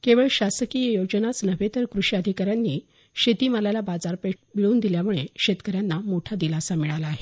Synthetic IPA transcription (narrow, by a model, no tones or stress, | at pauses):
keʋəɭɕasəkijəjod͡ʑənat͡snəʋet̪əɾkɾuɕad̪ʱikaɾjanːiː | ɕet̪iːmalajlabad͡zaɾpeʈbiɭuːnd̪iljamuɭeɕet̪kəɾjanːamoʈʰad̪ilasamiɭalaːɦe